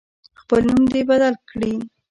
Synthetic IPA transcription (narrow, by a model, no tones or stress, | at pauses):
xpəlnumd̪ebad̪alkɽi